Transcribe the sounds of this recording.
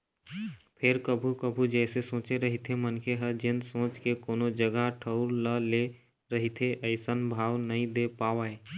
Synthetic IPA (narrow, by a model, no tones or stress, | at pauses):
pʰɪɾkəbʱukəbʱud͡ʒɛɪsesõːt͡ʃeɾəɦit̪ʰemənkeɦɛd͡ʒɪnsõːt͡ʃkekoːnod͡ʒəɡaʈʰəʊɾləle | ɾəɦit̪ʰeʔəɪsənbʱaːʋnəɦĩd̪epaːʋae